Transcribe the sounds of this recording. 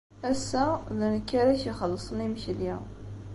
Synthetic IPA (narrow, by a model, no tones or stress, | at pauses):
æsːæðənəkːæɾæʃiχəlːəsˤnimʃljḭ